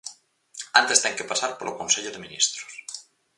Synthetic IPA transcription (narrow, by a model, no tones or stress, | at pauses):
ant̪est̪eŋkepasaɾpolokõnseʎoðemĩnḭst̪ɾo̥s